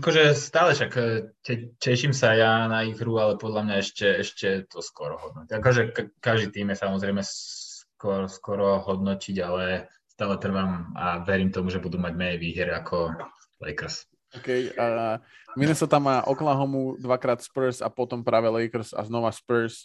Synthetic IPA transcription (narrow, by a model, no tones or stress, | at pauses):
akɔʒɛst̪aːlɛʃakːcɛcɛʃimsajanaiɣɾualɛpɔd̪lamɲaɛʃcɛɛʃcɛt̪ɔskɔɾɔɦɔd̪̚nɔakɔʒɛkkaʒd̪it̪iːmjɛsamɔzɾɛɪmɛskɔɾskɔɾɔɦɔd̪nɔciɟalɛ | st̪aːlɛt̪r̩ʋama̰ʋɛɾimt̪ɔmuʒɛbud̪umaɟmɛɲɛʋiːɦɛɾakʰɔ | lɛ̰jkr̩s | ɔkɛjaminɛsɔt̪amaʔɔklaɦɔmud̪ʋakɾaːt̪spəɾsa̰pɔt̪ɔmpɾaːʋɛlɛjkr̩sa̰znɔʋaspɾs